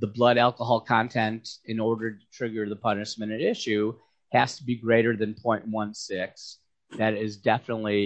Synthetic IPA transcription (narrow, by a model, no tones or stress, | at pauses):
ðəblʌɾælˠkəɦɑlˠkʰɑ̃ntʰɛ̃ntɨ̃nɔɹɾə˞ɾɨtʰɹ̥ɪɡə˞ðəpʰʌnɨʃmɨ̃ñɨɾɪʃʉ | hæz̥tʰəbiɡɹeɪɾə˞ðɨ̃npʰɔ̃ɪ̃nʔ̚wʌ̃nsɪks | ðɨɾɪzdɛfənətˡli